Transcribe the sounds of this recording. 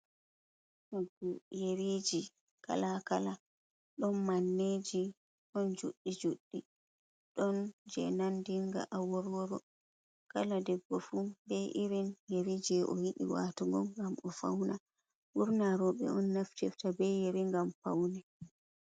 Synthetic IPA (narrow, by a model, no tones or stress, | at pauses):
maɡɔjeɾid͡ʒi | ka̰lakala | ɗɔnmanːed͡ʒi | ɗɔnd͡ʒuɗːid͡ʒuɗːi | ɗɔnd͡ʒɛnandiŋɡa̰ʔawɔɾwɔɾɔ | kaladɛɡːɔfubɛʔiɾinjeɾid͡ʒiɛʔɔjiɗḭwa̰tɔɡɔ̰mɡamɔfa̰wna | buɾnaɾɔɓɛ̰ɔnːaftiftabɛjeɾiŋɡampa̰wnɛ